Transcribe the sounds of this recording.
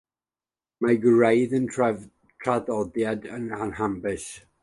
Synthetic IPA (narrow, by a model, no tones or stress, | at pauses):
maɡɹejðən | tʰraðɔdjadənanhambɪs